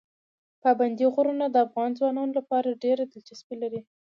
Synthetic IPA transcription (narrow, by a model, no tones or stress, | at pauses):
pɑband̪iɣʊɾunad̪əafɣɑnd͡zwɑnɑnolapɑɾaɖeɾad̪əlt͡ʃaspelaɾi